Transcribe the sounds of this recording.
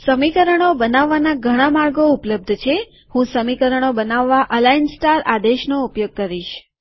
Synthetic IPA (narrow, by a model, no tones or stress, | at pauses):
səmikəɾəɳ̃obənaʋːanaɡʱəɽ̃amaɭɡoupləb̚d̪ʱt͡ʃʰe | hũsəmikəɾəɳ̃obənaʋːaʔəlainsʈaɾad̪eʃnoupjoɡ̚kəɾiʃ